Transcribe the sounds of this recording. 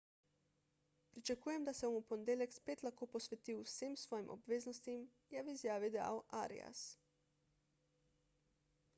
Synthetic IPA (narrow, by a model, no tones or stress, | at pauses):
pɾit͡ʃekuːjemd̪aseomupond̪elekspet̪lakoposʋet̪iusimsʋojimʔo̰bʋeːznost̪im | jaːʋiizjaːʋid̪ea̰lʔa̰ɾḭa̰s